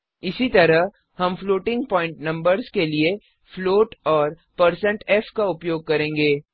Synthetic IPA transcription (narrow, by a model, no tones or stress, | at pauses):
ɪsit̪ɐɾəɦ | hɐmfloːʈɪ̃ŋɡ̚pɔ̃ːɪ̃ɳʈnɐ̃mbəɾzkelie | floːʈɔːɾ | pɐɾsə̃ɳʈɛːfkaʊpjoːɡ̚kɐɾẽːŋɡeː